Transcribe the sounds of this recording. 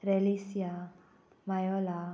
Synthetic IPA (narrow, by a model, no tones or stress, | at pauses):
ɾelisja | majɔla